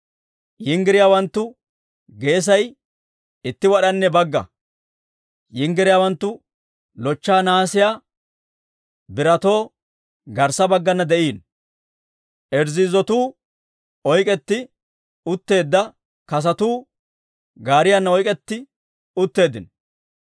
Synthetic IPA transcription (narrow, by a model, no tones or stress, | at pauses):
jɪŋɡɪɾɪjaːwɐnt̪ːʊ | ɡe̞ːs̬ɐj | ɪt̪ːɪwɐɗɐnːɛbɐɡːɐ̰ | jɪŋɡɪɾɪjaːwɐnt̪ːʊ | lɔt͡ʃːaːnaːsɪjaː | bɪɾɐt̪o̞ː | ɡɐɾsɐbɐɡːɐnːɐd̪ɛʔiːn | ʔɛɾzɪzɔt̪uː | ɔjkʼɛt̪ːɪ | ʊt̪ːe̞ːd̪ːɐ | kɐs̬ɐt̪uː | ɡaːɾɪjanːɐɔjkʼɛt̪ːɪ | ʊt̪ːe̞ːd̪ɪn